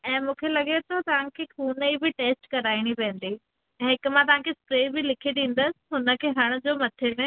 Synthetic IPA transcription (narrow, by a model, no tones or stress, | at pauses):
ɛ̃ːmũːkʰelɐɠet̪ʰot̪ɐʋ̤ãkʰeːxuːnibɪʈeːsʈkɐɾaːɪɽ̃ipɛ̃ːə̃n̆d̪i | ɛ̃ːɦɪkʊ̆mãt̪ɐʋ̤ãkʰespɾeːbɪlɪkʰeɗĩːn̆d̪əsɪ̥̆ɦʊnə̆kʰeːɦɐɽ̃ʊ̆d͡ʑoːmɐt̪ʰene